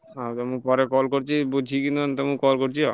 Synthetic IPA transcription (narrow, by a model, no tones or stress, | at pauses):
at̪amũpɔɾekɔlkoɾt͡ɕʰibud͡ʒʱikinnt̪ɔmũkɔlkoɾt͡ʃʰiɔ